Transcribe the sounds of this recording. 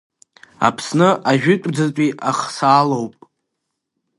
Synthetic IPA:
a̰pʰsnɨʔaʒᶣɪtʷʼd͡zat͡pʷʼiʔaχsaːlowpʼ

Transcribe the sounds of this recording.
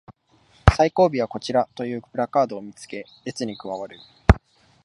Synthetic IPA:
saiko̞ːbʲiβ̞ako̞t͡ɕiɾat̪o̞jɯ̟ːpɯ̟ɾakaːd̪o̞ːmʲit͡sɨ̥ke̞ | e̞t͡sɨɲ̟ikɯ̟βaβaɾɯ̟

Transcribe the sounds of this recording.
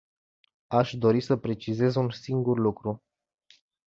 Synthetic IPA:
aʃd̪o̞ɾisəpɾe̞t͡ʃize̞zunsiŋɡurlukɾu

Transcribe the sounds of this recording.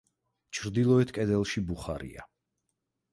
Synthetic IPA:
t͡ʃʰɾd̪ilˠɔɛt̪ʰkʼɛd̪ɛlˠʃibuχa̰ɾḭa̰

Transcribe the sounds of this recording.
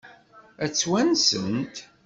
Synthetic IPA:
æt͡sːwænsənt̪

